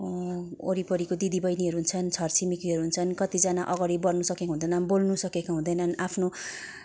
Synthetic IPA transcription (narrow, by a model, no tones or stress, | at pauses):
o̰ɾipʌɾikod̪id̪ibʌjniɦʌɾuɦunt͡sʰʌnt͡sʰʌrt͡simikiɦʌɾuɦunt͡sʰʌnkʌt̪id͡zanaʔʌɡʌɽibʌrnusʌkekaɦũnd̪ʌjnʌnbolnusʌkekaɦũnd̪ʌjnʌnapʰno